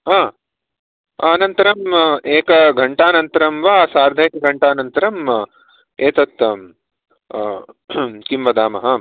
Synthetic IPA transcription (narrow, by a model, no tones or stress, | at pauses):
ɦaː | ɐnɐnt̪ɐɾɐmeːkɐɡʱɐɳʈaːnɐnt̪ɐɾɐmʋaːsaːɾd̪ʱɐeːkɐɡʱɐɳʈaːnɐnt̪ɐɾɐm | eːt̪ɐt̪ | kimbɐd̪aːmɐɦɐ